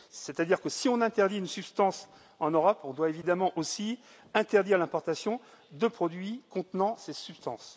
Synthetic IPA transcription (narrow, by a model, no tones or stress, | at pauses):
sɛt̪ad̪iʁkəsiɔ̃nɛ̃t̪ɛʁd̪iynsybst̪ɑ̃s | ɑ̃nøʁɔpɔ̃d̪waevid̪amɑ̃ʔosi | ɛ̃t̪ɛʁd̪iʁlɛ̃pɔʁt̪asjɔ̃ | d̪əpχɔd̪ɥikɔ̃t̪nɑ̃sesypst̪ɑ̃s